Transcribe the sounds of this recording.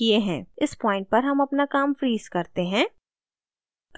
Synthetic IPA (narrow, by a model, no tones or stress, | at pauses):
ieɦɛ̰̃ːɪspɔːɪ̃ɳʈ̚pɐɾɦɐmɐpnakaːmfɾiːz̥kɐɾt̪eɦɛ̃ː | k